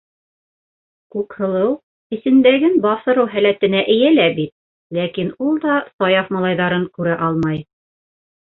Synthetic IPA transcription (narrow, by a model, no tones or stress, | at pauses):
kʉkhɤ̆lˠɤw | ɘ̆sɘ̆nd̪æɡɘnbɑθɤ̆ɾɤwɦælæt̪ɘ̆næʔɘ̆jælæbit̪̚ | lækinulˠd̪ɑsɑjɑfmɑlˠɑjðɑɾɤŋkʉɾæʔɑlˠmɑj